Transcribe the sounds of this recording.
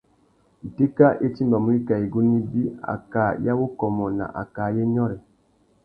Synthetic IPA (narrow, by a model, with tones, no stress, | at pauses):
i˨te˦ka˦ʔe˦ti˦mba˨mu˨˦ɾi˦ka˨i˨ɡu˦ni˦bi˦a̰˨ka˨˦ja˦wo˦kɔ˨mɔ˨na̰˨ʔa̰˨ka˨je˦ɲɔ˦ɾɛ˨